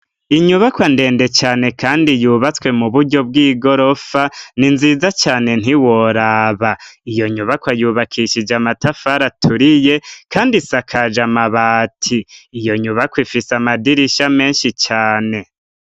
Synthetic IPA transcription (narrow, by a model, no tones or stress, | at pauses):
iɲuβakwande̞ːnde̞t͡ʃaːne̞kaːndijuːβat͡swe̞muβuɾɟo̞b̚ɡiːɡo̞ɾo̞faninziːzat͡ʃaːne̞n̥iwoɾaβaijo̞ɲuβakwajuːβakʰiʃid͡ʒamatafaɾatʰuɾije̞kaːndisakʰad͡ʒamaβaːtʰiːjo̞ɲuβakwifisamadiɾiʃame̞ːnʃit͡ʃaːne̞